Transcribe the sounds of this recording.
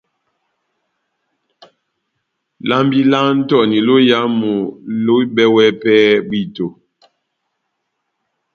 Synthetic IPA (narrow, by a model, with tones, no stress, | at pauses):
la˦mbi˦la˦n̩˦tɔ˨ni˨lo˦ja˦mu˨lo˦bɛ˦wɛ˦pɛː˦bi˦˨to˨